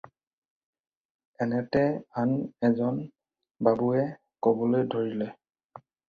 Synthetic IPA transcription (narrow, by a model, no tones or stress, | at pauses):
ɛnɛtɛanɛzɔn | babuɛ | kɔbɔlojdʱoɹilɛ